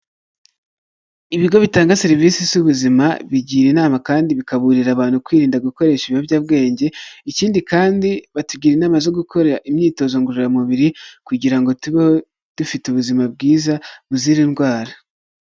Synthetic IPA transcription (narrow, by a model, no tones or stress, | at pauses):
iβiɡo̞βitaːŋɡaseɾiviːsizuβuzima̰βiɟiːɾinaːmakaːndiβikaβuɾiɾaβaːn̥hukwiːɾiːndaɡuko̞ɾe̞ːʃiβiβovɟabɡe̞ːɲɟe̞iciːndikaːndiβatuɡiːɾinaːmazoɡukʰo̞ɾeaʔimɲiːto̞zoŋɡuɾeɾamuβiɾikuɟiɾaŋɡo̞tuβeho | d̥ufituβuzimab̚ɡiːzaβuziɾinɡwaːɾa